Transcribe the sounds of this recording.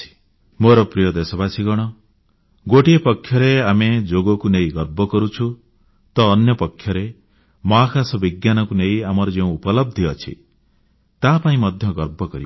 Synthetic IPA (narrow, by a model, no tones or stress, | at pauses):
i̥ | moɾɔpɾijɔd̪esɔbasʰiɡɔɽ̃ɔ | ɡoʈiepɔkʰːjɔɾeamed͡ʒoɡɔkunejɡɔɾbɔkɔɾut͡ʃʰu | t̪ɔːnjɔpɔkʰːjɔɾe | mɔɦakasɔbiɡjanɔkuneiamɔɾɔd͡ʒeũupɔlɔb̚d̪ʱiɔt͡ʃʰḭ | t̪apaĩmɔd̪ʱjɔɡɔɾbɔkɔɾḭ